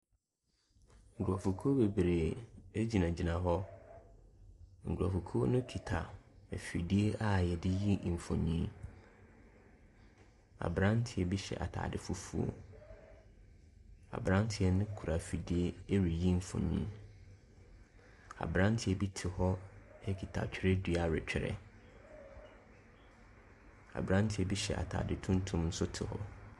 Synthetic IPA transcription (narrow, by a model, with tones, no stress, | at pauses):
ŋ̩˨ɡʰu˨ɾɔ˨fu˨kʰo˦be˨bɾe˨e˦d͡ʑi˨nã˨d͡ʑi˨nã˨ɦɔ˦ | ŋ̩˨ɡʰa˨fu˨kʰo˦nʊ̃˦tʰi˨tʰa˨fi˨di˦e˦ʔa˦jɛ˨dɪ˦ji˦m̩˨fɔ̰̃˨ɲḭ̃˦ | a̰˨bɾã˦n˦tʰɪ˨ɛ˨bi˦ɕɛ̰˨ʔa̰˨tʰa̰ː˨dɪ˦˨fu˦fu˦o̰˨ | a̰˨bɾã˦ntʰɪ˨ɛ˦nʊ̃˦kʰu˨ɾa˨fi˨di˦e˦e˦ɾi˨ji˦m̩˨fõ̰˨ɲḭ̃˦ | a̰˨bɾã˦n˦tʰɪ˨ɛ˨bi˦tʰɪ˨hɔ˦ɛ˦kʰi˨tʰa̰˨t͡ɕᶣʰɪ˦ɾɛ˦di˦a˨ɾɪ̰˨t͡ɕᶣɪ˦ɾɛ̰˦ | a̰˨bɾã˦n˦tʰɪ˨˦ɛ˦bi˦ɕɛ̰˨a̰˨tʰa̰ː˨dɪ˨tʰũ˦n˦tʰʊ̃˦mn̩˦sʊ˦tʰɪ˨hɔ̰˦